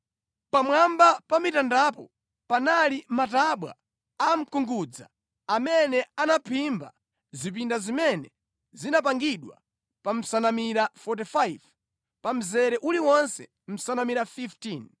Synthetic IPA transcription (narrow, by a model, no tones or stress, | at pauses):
pamwambapamitandapɔ | panalimataɓwa̰ | am̩kuŋɡud͡za̰ː | mɛnɛanapʰimba̰ | zip̬indazimɛnɛ | zinap̬aŋɡiɗwa̰ | pam̩sanamiɾafɔt̬ifajv | pam̩zɛɾɛʔuliwɔnsɛ̰ | m̩sanamiɾafiftin